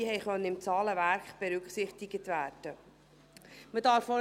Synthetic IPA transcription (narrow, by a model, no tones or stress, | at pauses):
ɦɛɪχœnːəɪmt͡sɑːləʋæɾkχb̥ɛɾʉkχsɪχtɪɡətvæːrd̥ə | mədɑːɾfɔ